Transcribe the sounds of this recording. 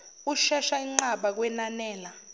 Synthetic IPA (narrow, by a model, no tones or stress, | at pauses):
uʃɛʃaiŋ͡ǀaɓak̬wɛnanɛːla